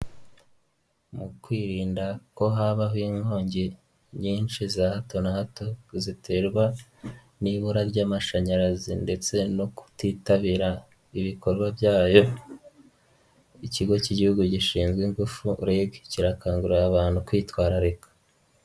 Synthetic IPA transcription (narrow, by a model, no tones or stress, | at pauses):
mukwiːɾiːndako̞ɦaβaɦwiŋɡo̞ːɲɟe̞ | ɲiːnʃizahato̞nahato̞zitʰe̞ɾɡwa | niβuɾaɾɟaːmaʃaɲaɾazinde̞t͡se̞no̞ku̥tiːtaβiɾa | iβiko̞ɾɡwabjaːjo̞ | iciɡo̞ciɟihuɡuɟiʃiːnzɡwiŋɡufuɾeɡciɾakaːŋɡuɾaaβaːn̥hukwiːtwaːɾaɾe̞kḁ